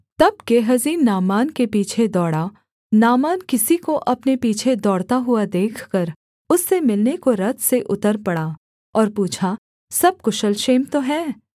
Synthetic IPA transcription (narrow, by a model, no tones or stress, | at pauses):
t̪ɐb̚keɦɐziːnnaːmaːnkepiːt͡ʃʰed̪ɔːɽa | naːmaːnkɪsikoʔɐpnepiːt͡ʃʰed̪ɔːɽt̪aɦʊad̪eːkʰkɐɾ | ʊsːemɪlnekoɾɐt̪ʰseʔʊt̪əɾpɐɽa | ɔːɾpuːt͡ʃʰa | sɐb̚kʊʃəlʃeːmt̪oɦɛː